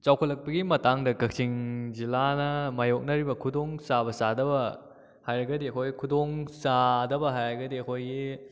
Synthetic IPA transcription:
t͡ʃawkʰɐtlːɐk̚pɐɡimɐtaŋdɐkɐk̚siŋzilanɐmajok̚nɐɾibɐkʰudoŋsabɐsadɐbɐ | hajɾɐɡɐdiɐkʰojkʰudoŋsadɐbɐɦajɾɐɡɐdiɐkʰojɡi

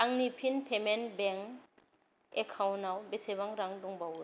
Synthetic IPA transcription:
aŋnipʰinpʰemenbeŋ | ekʰawnawbeseβaŋɾaŋduŋbaw

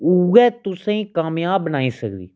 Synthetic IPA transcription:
uːɡɛːt̪ʊsãĩːkaːmjãːbːənaːiːsəkd̪ḭː

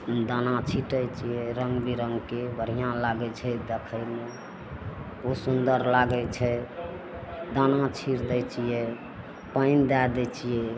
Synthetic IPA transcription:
d̪anãt͡ʃʰiʈəjt͡ʃʰijɛɾəŋɡbʱiɾəŋɡkebʱəɾ̤ijãlaɡɛt͡ʃʰɛd̪ekʰəɪme | osund̪əɾlaɡɛt͡ʃʰɛ | d̪anãt͡ʃʰiɾd̪ɛt͡ʃʰijɛ | pəɪnd̪ad̪ɛt͡ʃʰijɛ

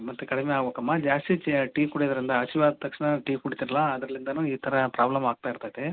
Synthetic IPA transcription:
mɐt̪ːukɐɽimeaːɡoːkɐmːad͡ʒaːst̪it͡ʃʈiːkuɽɐjd̪ɐɾind̪ɐɐt͡ʃiʋaːd̪ɐt̪ɐkʂɳɐʈiːkuɽit̪iɾɐlɐɐd̪ɾɐlind̪ɐnuːiːt̪ʰɐɾɐpɾaːblɐmaːɡ̚t̪aːjiɾt̪aːjt̪e

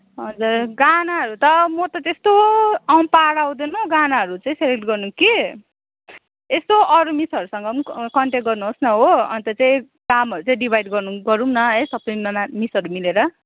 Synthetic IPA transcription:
ɦʌd͡zurɡanaɦʌɾut̪ʌmʌt̪ʌt̪est̪oawnpaɽaw̃d̪enuɡanaɦʌɾut͡saĩselek̚ʈɡʌrnuki | est̪oʔʌɾumisʌɾusʌŋɡʌkʌɳʈek̚ɡʌrnuɦosnʌɦoʌ̰nt̪ʌt͡saĩ | kamɦʌɾut͡saĩɖibʱajɖɡʌrnuɡʌɾumnʌɦʌjsʌpʌnʌnamisʌɾumileɾʌ

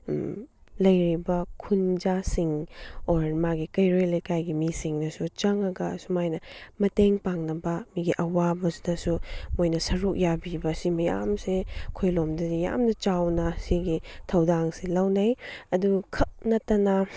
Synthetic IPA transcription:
lɐjɾibɐkʰund͡ʒasiŋoɾmaɡikɐjɾojlɐjkajɡimisiŋnɐsut͡ʃɐŋɐɡɐsumajnɐmɐteŋpaŋnɐbɐmiɡiʔɐwabɐsdɐsumojnɐsɐɾuk̚jabibɐsimɐja̰msekʰojlomdɐzija̰mnɐt͡ʃawnɐsiɡitʰɐwdaŋsilɐwnɐjɐdukʰɐk̚nɐtːɐnɐ

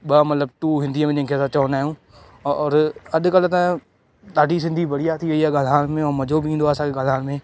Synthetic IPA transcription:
ɓɐmɐt̪ləb̚ʈuːɦɪ̃nd̪ijəmẽd͡ʑɐ̃ɦɪ̃kʰeːɐsãt͡ɕɐʋnaːɦjũ | ɔɔːɾɐɗʊ̆kɐlʊ̆t̪ɐ | ɗaːɖʱis̬ɪ̃nd̪ʱibɐɽ̤ijaːt̪ʰiʋɐiɦɛɡalʱaːɽmẽɔːɾmɐd͡ʑʱobɪĩːnd̪oaːsãkʰeɡalʱaːɽmẽː

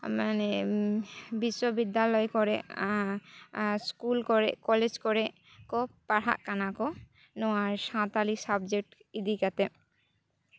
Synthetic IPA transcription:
mane | biʃːɔbid̪ːalɔjkɔɾɛʔ | skulkɔɾɛʔkɔled͡ʒkɔɾɛʔ | kɔpaɽa̰ʔkanakɔ | nɔaɾʃãt̪alisabd͡ʒek̚ʈ | id̪ikat̪ɛ

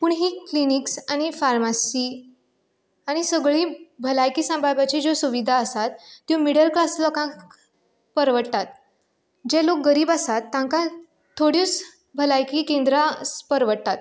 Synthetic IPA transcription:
puɳɦiːkliniksaɽ̃ifaɾmasiː | aɽ̃isəɡɭiːbʱəlajkiːsə̃mbʱabat͡ɕid͡zosuʋid̪ʱaəsat̪ːjũmiɽəlklaslɔkãk | pəɾʋəʈt̪at̪̚ | d͡ʑɛlok̚ɡəɾiːbasat̪ːãŋka | t̪ʰoɽit͡s | bʱəlajkiːkẽnd̪ɾaspəɾʋəʈ̚t̪at̪̚

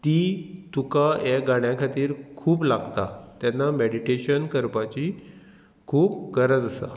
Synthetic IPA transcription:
t̪it̪ukajaɡaɽjakʰat̪iːɾkʰuːblaɡt̪at̪janːameɽiʈeɕənkəɾpat͡ɕi | kʰuːp̚ɡəɾəd͡z̪əsa̰

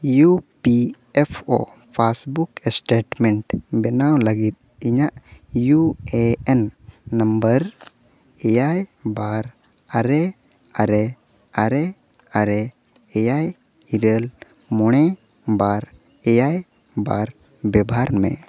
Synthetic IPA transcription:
jupiɛpʰo̰pʰasbuksʈeʈmɛɳʈbɛnawləɡit̪̚ | iɲaʔjueɛnːəmbəɾ | ɛjajbaɾaɾɛ | aɾɛ | aɾɛ | aɾɛ | ɛjaj | iɾəlmɔɽ̃ɛ | baɾ | ɛjaj | baɾ | bɛbaɾmɛ̰

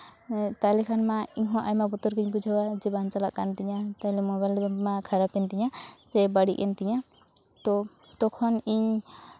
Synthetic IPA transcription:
t̪alɛkʰanmaiɲɦɔ̃ʔajmabɔt̪ɔɾkiɲpud͡ʒʱawad͡ʒɛbant͡ʃalaʔkant̪iɲat̪aɦlɛmɔbajld̪ɛbamakʰaɾapɛnt̪iɲasɛbaɽḭʔɛnt̪iɲa | t̪ɔ | t̪ɔkʰɔniɲ

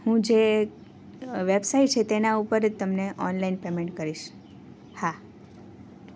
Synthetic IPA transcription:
hũd͡ʒe | ʋebsaiʈ̚t͡ʃʰet̪enaupəɾd͡ʒt̪əmneʔɔnlainpemẽɳʈkəɾiʃ | ha

